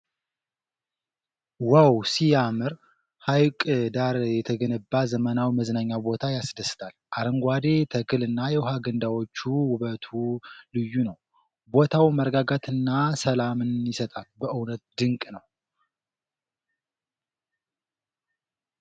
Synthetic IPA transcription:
wawsijamɨɾ | hajkʼd̪aɾjɛt̪ʰəɡənəbːazəmənawməznaɲːawbo̞t̪ʰajasd̪əsɨ̥t̪ʰʼalʔaɾəŋɡʷad̪e̞t̪ʰəkʰɨlɨnːajɛwɦaɡənd̪awo̞t͡ʃːuwʊβət̪ʰulɨjːunəw | bo̞t̪ʰawməɾɡaɡat̪ʰɨnːasəlamɨnjɪsət̪ʼalbəʔɨwnət̪̚d̪ɨŋkʼnəw

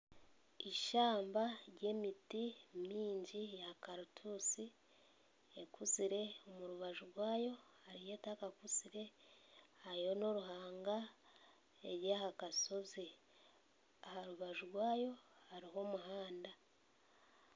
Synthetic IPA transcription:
iʃaːmbaɾɟe̞ːmitimiːɲɟijakaɾutʰusi | ekuziɾe̞omuɾuβaʒuɾwaːjo̞haɾije̞ːtakakuziɾe̞ | haɾiho̞no̞ɾuhaːŋɡa | eɾjahakaso̞zi | ahaɾuβaʒuɾwaːjo̞haɾiɦo̞muɦaːnda

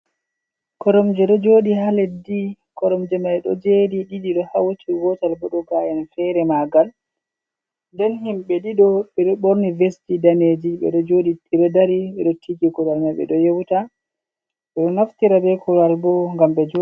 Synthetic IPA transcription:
kɔɾɔmd͡ʒɛɗɔd͡ʒoːɗiɦalɛdikɔɾɔmd͡ʒɛmajɗɔ̰d͡ʒediɗiɗiɗɔhawtʰiɡɔtalbɔɗɔɡajanfɛɾɛmaɡal | ndɛnhimɓɛɗiɗɔɓɛɗɔɓoɾnivestidaned͡ʒiɓɛ̰ɗɔd͡ʒoɗiiɗɔdaɾiɓɛɗɔtʰːiɡikuɾalmaɓɛ̰ɗɔjewta | ɓɛɗɔnaftiɾabɛkʰulalbɔŋɡamɓɛd͡ʒ

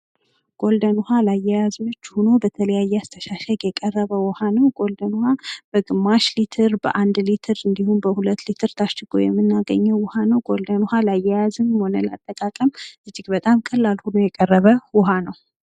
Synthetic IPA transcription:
ɡ̥ʼo̞ld̪ənuhalajːɛjaznot͡ʃːhuno̞bət̪ʰələjajːɛast̪ʰəʃaʃəɡjɛkʼərːəβəwɔhanəwɡ̥ʼo̞ld̪ənuhab̥əɡɨmːaʃlit̪ʰɨɾbə̰ʔand̪lit̪ʰɨɾɨnd̪ihunbəhulət̪ːlit̪ʰɨɾt̪ʰaʃt͡ʃɨɡo̰jɛ̰mːɨnːaɡəɲːɛwːʊhanəwɡʼo̞ld̪ənhalajːɛjazɨnho̞nəla̰t̪ʼːəkʼakʼəmʔɨd͡ʒːɪɡbət̪ʼamkʼəlːalhunojɛkʼərːəβəwʊɦanəw

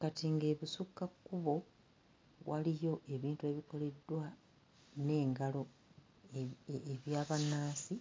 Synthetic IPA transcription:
katiŋɡe̞ːβisukːakːuβo̞ | βwʔalijo̞ʔe̞βiːntue̞ːβiko̞le̞dːwa | ne̞ːŋɡalo̞ | eβjaːβanːaːsi

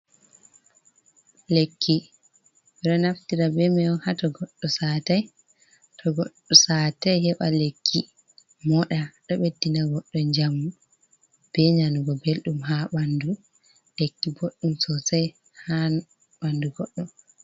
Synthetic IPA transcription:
lekːi | bɛɗɔnaftiɾabɛmɛɔhatɔɡɔɗːɔsaːtaj | tʰɔɡɔɗːɔsaːtajhɛɓalekʰːi | mɔɗaɗɔɓedːinaɡɔɗːɔɲd͡ʒamːu | b̥ɛɲanuɡɔbelɗumɦaɓandu | lekːiboɗːumsɔsaj | ha | ɓanduɡɔɗːɔ

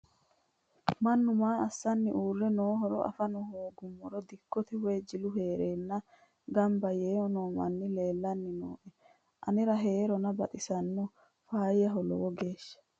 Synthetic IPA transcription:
mɐnːʊmaːɐsːɐnːɪʔuːrːɛnoːɦɔɾɔ̰ʔɐ̰fɐnɔhoːɡʊmːɔɾɔd̪ɪkːɔt̪ɛweːd͡ʒɪlʊheːɾeːnːɐ | ɡɐmbɐjeːɔnoːmɐ̰nːɪle̞ːlːɐnːɪno̰ːʔɛ | ʔɐnɪɾɐɦe̞ːɾɔnɐbɐt̪ʼɪsɐnːʊ | faːjːɐɦɔlɔ̰wɔɡeːʃːɐ̥

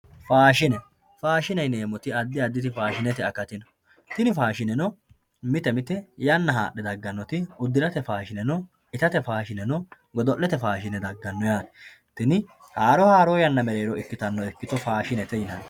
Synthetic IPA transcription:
faːʃɪnɛ | faːʃɪnɐjne̞ːmɔt̪ɪɐd̪ːɪɐd̪ːɪt̪̬ɪfaːʃɪnɛt̪ɪɐkɐt̪ɪnɐ | t̪ɪnɪfaːʃɪnɛnɔ | mɪt̪ɛmɪt̪ɛjɐnːɐɦa̰ːʔɛd̪ɐɡːɐnːɔt̪ɪʊd̪ːɪɾɐt̪ɛfaːʃɪnɛnɔ | ɪt̪ɐt̪ɛfaːʃɪnɛnɔ | ɡɔd̪ɔʔːɛt̪ɛfaːʃɪnɛd̪ɐɡːɐnːɔjaːn | t̪ɪnɪ | haːɾɔhaːɾoːjɐnːɐmɛɾe̞ːɾɔɛkːɪt̪ɐnːɔɛkːɪt̪ɔfaːʃɪnɛt̪ɛjɪnan

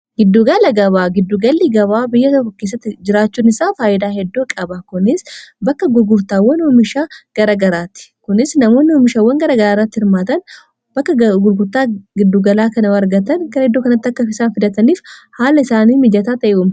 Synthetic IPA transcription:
ɡɪd̪ːuɡɐlɐɡɐβaːɡɪd̪ːuːɡɐlːiːɡɐβaːbɪjːɐt̪ɔkːɔkeːs̬ːɐt̪ːɪd͡ʒɪɾaːt͡ʃːuːnɪsaːfaːʔɪd̪aːhɛd̪ːoːkʼɐbɐkʊnɪsbɐkːɐɡʊɾɡʊɾt̪aːwːɐnɔmɪʃaːɡ̥ɐɾɐːɡɐɾaːt̪ɪ̥kʊnɪsnɐmo̞ːnːɪɔmɪʃaːwːɐŋɡɐɾaːɡɐɾaːrːɐt̪ːɪhɪɾmaːt̪ɐn | b̥ɐkːɐɡʊɾɡʊɾt̪aːɡɪd̪ːuɡɐlaːkɐnɐɐɾɡɐt̪ɐnkɐhɛd̪ːoːkɐnɐt̪ːɪɐkːɐfɪsaːnfɪd̪ɐt̪ɐniːfhaːlɐɪsaːniːmɪd͡ʒɐt̪aːt̪ɐʔuːm

